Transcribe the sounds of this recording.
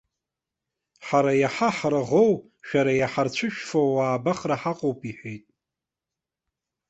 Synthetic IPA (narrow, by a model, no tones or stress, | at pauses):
ħaɾajaħaħraʁo̞w | ʃᶣaɾajaħart͡ɕʷʰɨʃᶣfowaːbaχraħaqʼowpʰʼiħʷᶣejtʼ